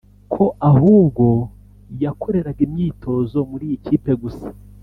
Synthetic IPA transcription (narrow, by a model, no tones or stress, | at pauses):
kʰo̞ʔahuːbɡo̞ | jakʰo̞ɾe̞ɾaɡimɲiːtʰo̞zo̞muɾiːjiciːpe̞ɡusḁ